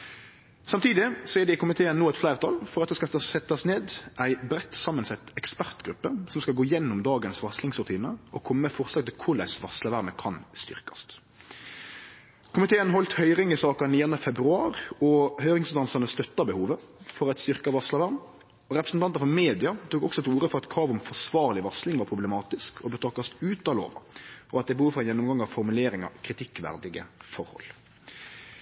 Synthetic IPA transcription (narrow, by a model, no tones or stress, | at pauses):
sɑmt̪ʰiːd̪ɪsɔɛɖɪkʊmɪt̪ʰeːənːoːɛt̪flæɪʁt̪ʰɑlfɔʁɑt̪̚d̪ɛskɑt̪ɑsɛt̪ːɑsneːd̪ʔæɪbɾɛt̪ːsɑmːənsɛt̪ːɛkspæʁt̪ɡɾʉpːəsɔmskɑlɡoːɪjɛnːʊmd̪ɑːɡənsʋɑslɪŋsɾʉt̪ʰiːnəɔkʰɔmːəfɔʁslɑɡt̪ʰɪlkʰʊlɛ̰sʋɑsləʋæʁməkʰɑnst̪ʏ̰ʁkɑ̥st̪ | kʰʊmɪt̪ʰeːənɦɔlt̪hœʏʁɪŋɪsɑːkənɪɛʁnəfɛbɾʉɑːɾɔhœʏɾɪŋsd̪ɑnsənəst̪œt̪ːɑbəhuːʋəfɔɾɑt̪st̪ʏɾkɑʋɑslɑʋæɾm | ɔɾɛpɾəsn̩t̪ɑnt̪əɾfɔɾmeːd̪ɪɑt̪ʰuːkɔksɔɛt̪uːɾəfɔɾɑt̪kʰɾɑːʋɔmfɔsʋɑːɾlɪʋɑslɪŋʋɑɾpʰɾʊblɛmɑːt̪ɪskʰɔbət̪ʰɑkːɑst̪ʉːt̪ɑlo̰ːʋə̰ʔɔɑt̪̚d̪ɛbəhuːfɾɔɛnjɛnːʊmɡɑŋːɑʋfɔɾmʉleːɾɪŋɑ̰ʋkʰɾɪt̪ʰɪkːʋæ̰ɾd̪ɪɡə̰fɔɾhɔ̰l